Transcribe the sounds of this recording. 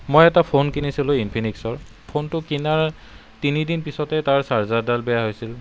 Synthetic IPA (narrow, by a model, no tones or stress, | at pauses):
mojɛtapʰonkinisilʊinpʰiniksɔɹ | pʰontʊkinaɹ | tinidinpisɔtɛtaɹsaɹzadalbɛjaɦojsil